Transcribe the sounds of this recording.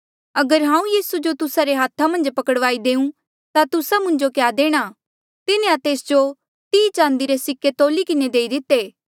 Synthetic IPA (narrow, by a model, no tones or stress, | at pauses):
ɐɡəɾɦãːũjiːsud͡ʒot̪ʊsaɾeɦaːt̪ʰamɐ̃nd͡ʒpɐkəɽʋaːid̪eːũ | t̪at̪ʊsamʊ̃nd͡ʒokjaːd̪eːɽ̃a | t̪ɪnẽat̪eːsd͡ʒo | t̪iːt͡ʃãːn̆d̪iɾesɪkːet̪oːlikɪned̪eːid̪ɪt̪ːeː